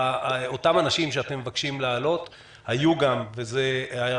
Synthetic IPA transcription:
otamanaʃimʃeatemːevakʃimlaːlo̞t | hajuɡamvezea

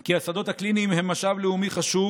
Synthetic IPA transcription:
kiasad̪o̞t̪hakliniːmhemːaʃavleumiχaʃu

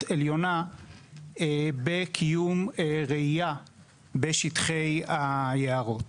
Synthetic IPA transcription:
eljo̞na | ebekʰijumeʁeija | beʃitχejajeaʁo̞t

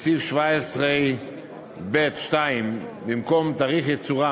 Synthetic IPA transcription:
sifʃvaɪsʁeɪ | bɛtʃtaɪmvimkɔmtaʁiχɪt͡sʊʁa

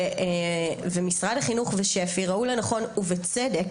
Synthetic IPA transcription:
vemisʁadhaχinuχveʃefiʁaulanaχo̞nuvet͡sedek

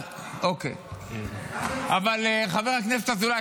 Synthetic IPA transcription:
ʔokḛ | avaleχave̞ʁaknefet̪azula

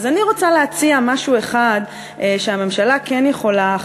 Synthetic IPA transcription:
zaniʁot͡saleat͡siamaʃue̞χad̪ | ʃeame̞mʃalakenjeχo̞la

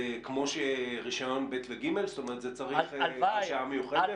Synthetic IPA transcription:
kmo̞ʃeʁiʃajo̞nbet̪veɡime̞lst̪o̞meʁet̪zet͡saʁiχaiʃaamejuχee

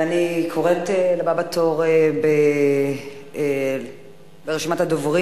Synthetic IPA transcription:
anikʰoʁetelababatoʁebe | beʁeʃimathadovʁi

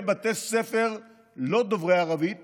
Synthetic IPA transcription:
bat̪esefe̞ʁ | lo̞d̪ovʁeaʁavi

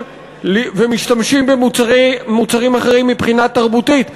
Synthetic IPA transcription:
vemiʃtamʃimbemː | ut͡saʁimaχeʁimːipχinat̪ːaʁbut̪it̪

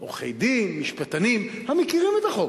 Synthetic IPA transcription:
ʔo̰χḛjd̪imːiʃpat̪animhamekiʁimet̪aχo

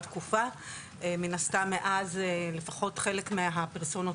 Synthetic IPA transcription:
tkufa | ʔeminastamːeʔazle̞faχo̞tχe̞le̞kmeɦapeʁsono

